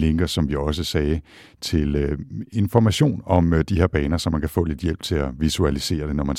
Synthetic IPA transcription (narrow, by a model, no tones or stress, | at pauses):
le̝ŋɡ̥ɐsɒ̽mʋiɒ̽s̬əsɛː | t͡sʰe̝le̝nfɒ̽mæɕo̝̰ːnɒ̽md̥iɦe̝ɐ̰b̥ɛːnɐsɒ̽mːænkʰæfɔ̰̽ːle̝d̥jel̰b̥̚t͡sʰe̝æʋisuælise̝̰ːɐd̥e̝nɒmæn